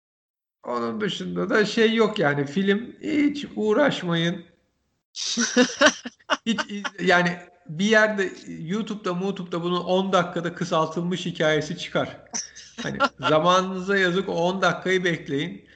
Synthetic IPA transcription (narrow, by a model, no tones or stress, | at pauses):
o̞nund̪ɯʃund̪ad̪aʃejːokjaːnifilʲimhit͡ʃuːɾaʃmajɯn | hit͡ʃijaːnɪ | bijæɾd̪ɛjuːt̪ʰup̚t̪ʰamuːt̪ʰup̚t̪ʰabunuʔo̞nd̪akʰːad̪akʰɯsalˠt̪ʰɯlˠmɯʃhicʰaːje̞sit͡ʃʰɯ̥kʰaɾ̥a̰nḭzamaːnɯmɯzajazɯkond̪akʰːajɯbɛclʲe̞jin